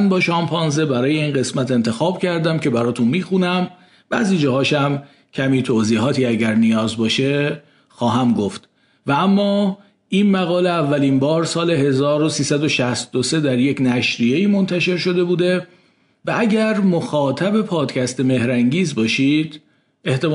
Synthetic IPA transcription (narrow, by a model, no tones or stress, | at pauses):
nbɒːʃɒːmpʰɒːnze̞bæɾɒːje̞iːnɢe̞smæt̪e̞nt̪ʰe̞xɒːb̥cʰæɾd̪æmcʰe̞bæɾɒːt̪ʰunmiːxunæm | b̥æ̰ːziːd͡ʒɒːɦɒːʃæm | cʰæmiːt̪ʰoːziːɦɒːt̪ʰiːæɟæɾnijɒːzbɒːʃe | xɒːɦæmɡoft̪ | vææmːɒː | ʔinmæɣɒːleævːæliːnbɒːɾsɒːle̞ɦe̞zɒːɾosiːsæd̪o̞ʃæst̪o̞se̞d̪æɾjecnæʃɾije̞iːmont̪ʰæʃe̞ɾʃo̞d̪e̞buːd̪e̞ | vææɟæɾmoxɒːt̪ʰæbe̞pʰɒːd̪cʰæst̪e̞me̞hɾæŋɟiːzbɒːʃiːd̪̥ | e̞ht̪em